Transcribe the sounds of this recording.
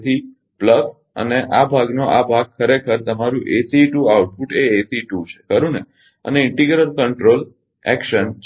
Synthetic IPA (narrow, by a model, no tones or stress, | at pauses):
t̪ʰi | pləs | ə̰neʔabʱaɡnoʔabʱaɡ̚kʰəɾekʰəɾt̪əmaɾũʔesiʈuauʈ̚puʈeesiʈut͡ʃʰe̥kəɾũne | ə̰neɪɳʈiɡɾəlkəɳʈɾol | ɛ̰kʃən